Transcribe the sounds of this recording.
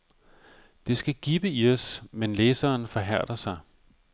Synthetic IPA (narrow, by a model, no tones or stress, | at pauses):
d̥e̝sɡ̥æɡ̥ib̥əiɒsmenleːsɐːnfɒ̽ɦæɐ̰d̥ʁɐsɑ̈ɪ